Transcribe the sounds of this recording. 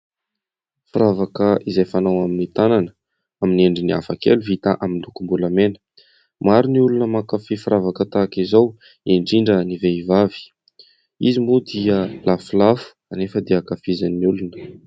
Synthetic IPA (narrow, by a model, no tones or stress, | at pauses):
fuɾavakəʔizajfanawaminit̪ananə | amineɳɖ͡ʐinia̰fakḛluvit̪aʔamind̪ukumbulamenə̥ | maɾuniulunəmakafifuɾavakət̪akizaw | eɳɖ͡ʐiɳɖ͡ʐəniveivavi̥ | izimbud̪iəlafulafu̥anefəd̪eakafizanːiulunə̥